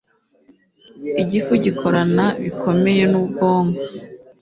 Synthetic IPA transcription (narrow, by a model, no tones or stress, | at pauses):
iɟifuɟikʰo̞ɾanaβikʰo̞me̞je̞nubɡo̞ːŋɡa